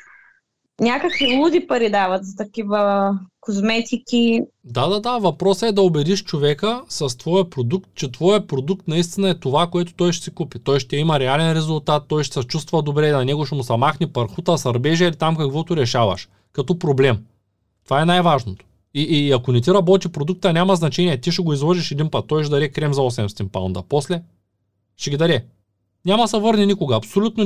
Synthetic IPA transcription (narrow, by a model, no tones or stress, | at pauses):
nʲakəkvilˠud̪ʲipɐɾid̪avɐt̪zɐt̪ɐkivəkozmɛt̪ʲikʲi | d̪ad̪ad̪avɐpɾɔsəɛd̪ɐobɛd̪iʃt͡ʃovɛkəsɐst̪vɔjəpɾod̪ukt̪̚t͡ʃɛt̪vɔjəpɾod̪uk̚t̪nɐist̪inɐɛt̪ovakoɛt̪o̥t̪ɔjʃɛ̥sɛkupit̪ɔjʃt̪ɛimɐɾɛalɛnɾɛzʊlˠt̪at̪ːɔjʃt̪sɐt͡ʃust̪vɐd̪obɾɛnɐnɛɡʊʃɛmʊsɐmaxnipɐɾxut̪əsɐɾbɛʒɐilit̪amkɐkvɔt̪ʊɾɛʃavɐ̰ʃ | kɐt̪ɔpɾoblɛm | t̪ovaɛnajvaʒnot̪o̥ | iʔːɐkonɛt̪iɾɐbɔt̪ipɾod̪uk̚t̪ənʲamɐznɐt͡ʃɛniɛt̪iʃɛɡoizvɔʒiʃɛd̪inpət̪ːɔjʃɛd̪ɐɾɛkɾɛmzɐɔsɛmst̪impa̰ʊ̰nd̪ɐ̰pɔslɛ | ʃɛɡʲid̪ɐɾɛ | nʲamɐsɐvɤɾninikoɡɐːpsolʲut̪no